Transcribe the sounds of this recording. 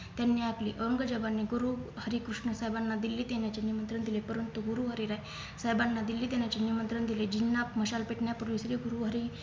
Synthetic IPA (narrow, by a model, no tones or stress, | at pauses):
t̪janːiakliːʔəɾəŋɡəd͡ʑəbanːiɡuɾuɦəɾikɾuʂɳəsajbanːad̪ilːiːd̪enjat͡ɕenimənt̪ɾənd̪ilepəɾənt̪uɡuɾuɦəɾiɾaj | saɦjbanːad̪ilːiːd̪enjat͡ɕenimənt̪ɾəɳd̪iled͡ʑinːapməɕalpeʈɳjapuɾʋisɾiɡuɾuɦəɾi